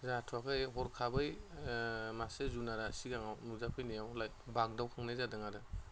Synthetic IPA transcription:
zatʰakʰɯjɦɔɾkʰabɯj | masezunaɾasiɡaŋawnuzapʰɯjnijawlaj | bak̚dawkʰaŋnajzadɯŋaɾɯ

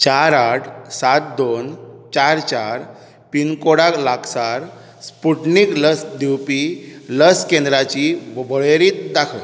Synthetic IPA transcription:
t͡ɕaɾaʈʰsat̪̚d̪ont͡ɕaɾt͡ɕaɾ | pinkoɽaklaksaɾ | spuʈnikləsd̪iwpiləskẽnd̪ɾat͡ɕiʋbəɭeɾiːt̪̚d̪akʰə

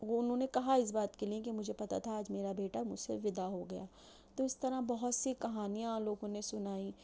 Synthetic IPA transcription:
oʊnɦõːnekɐɦaɪs̬baːt̪keliẽk̬emʊd͡ʒʱepɐt̪a̰t̪ʰaːd͡ʒmeːɾabeːʈamʊ̰d͡ʒsḛʋɪd̪aɦoɡɐja̰ː | t̪oːɪst̪ɐɾabɐɦʊt̪sikɐɦaːnijãloːɡõnesʊnaːĩ

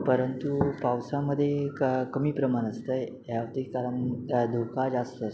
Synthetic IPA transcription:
pəɾənt̪upawsaməd̪ʱːjekəmiːpɾəmanəst̪əj | ɦjaʋt̪ikaɾənd̪ʱokad͡zast̪əəs

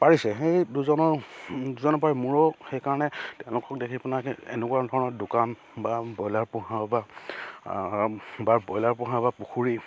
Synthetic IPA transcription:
paɹisɛxejduzɔnɔɹduzɔnɔpaɹimuɹɔxejkaɹɔnɛtɛ̃ʊ̃lʊkɔk̚dekʰipnakḛnɛkwadʱɔɹɔnɔɹdʊkan | babɔjlaɹpʊ̃ɦaba | baɹbɔjlaɹpʊ̃ɦabapuxuɹi

